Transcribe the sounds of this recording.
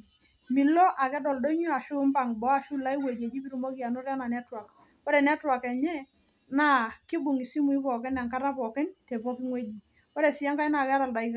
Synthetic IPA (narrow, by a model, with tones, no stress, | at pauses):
mi˨lɔ˦ʔa˨kɛ˦dɔ˨ldo˦i˦ɲu˦a˨ʃʊ˦mpa˨ŋbɔ˨˦a˦˨ʃu˦la˦i˦we˨d͡ʒe˨d͡ʒi˦pi˦ɾu˨mo˦ki˦a˨nɔ˦ɾa˦na˨nɛ˦twa˨k | ɔ˦ɾɛ˨nɛ˦twa˨kɛ˨ɲɛ˦ | na˦˨kɪ˦bʊ˨ŋi˨si˦mu˨i˦pɔ˨kɪ˦na˨ŋka˦ɾa˦pɔ˨kɪ˦ntɛ˨pɔ˦ki˦ŋwe˦d͡ʒi˨ | ɔ˦ɾe˨si˨a˦ŋka˦jna˨kɛ˦a˦ɾa˨lda˨i˦ka˦˨